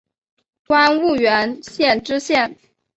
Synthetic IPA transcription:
kwa˥nu˥˩ɥɛ˧˥nɕjɛ˥˩nʈ͡ʂɻ̩˥ɕjɛ˥˩n

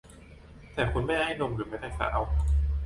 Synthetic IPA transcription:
t̪ɛː˨˩kʰu˧nma˥˩jha˥˩jno˧mɾɯː˨˩˦ma˥˩jt̪ʰaː˥˩sa̰ː˧˦˥w

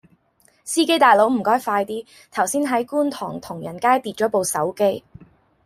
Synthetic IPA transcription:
siː˥ke˥jt̪aː˨jlo˨˥wm̩˨˩kɔː˥jfaː˧jt̪iː˥ | t̪ʰɐ˨˩wsiː˥nɦɐ˨˥jkuː˥nt̪ʰɔ̰ː˨˩ŋt̪ʰʊ˨˩ŋjɐ˨˩nkaː˥jt̪iː˧t̚t͡ʃɔː˨˥po˨˧wsɐ˨˥wke˥j

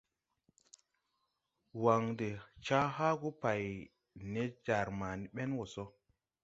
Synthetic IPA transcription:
wa˨ŋde˨t͡ʃa˦ɦa˦ɡu˦pa˨j | ne˦d͡ʒa˨ɾma˨ni˦ɓe˦nwo˨so˦

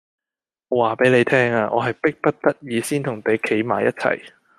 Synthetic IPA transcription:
waː˨˩pe˨˥jne˨˧jt̪ʰɛː˥ŋaː˧ʔɔ̰ː˨˧ɦɐ˨jpɪ˥k̚pɐ˥t̚t̪ɐ˥t̚jiː˨˧siː˥nt̪ʰʊ˨˩ŋt̪e˨˥jkʰe˨˥jmaː˨jɐ˥t̚t͡sʰɐ̰˨˩j

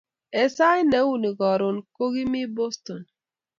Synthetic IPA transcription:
e˨sa˦i˦ne˨˦wu˦˨ni˨ɡɔ˨ɾo˨nko˦ɣi˦mi˦bo˦sto˨n

